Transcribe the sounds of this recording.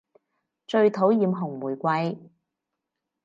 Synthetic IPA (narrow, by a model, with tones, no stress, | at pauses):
t͡ʃɵ˧ɥt̪ʰo˨˥wjiː˨˧mɦʊ˨˩ŋmuː˨˩jkʷɐ˧j